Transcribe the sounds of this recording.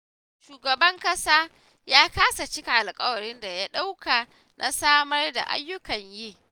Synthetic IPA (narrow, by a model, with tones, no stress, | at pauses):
ʃuː˨ɡɐ˨bɐ˦ŋkʼɐ˦saː˦ | jaː˦kaː˦sa˨t͡ʃɪ˦ka˨ʔa˨lkʼɐ˦wɐ˨ɽɪ˦nda˨ja˦ɗa˦wkʰa˨ | nʔa˨saː˦mɐ˦rda̰˨ʔa̰˦jːʊ˦kɐ˨ɲjiː˦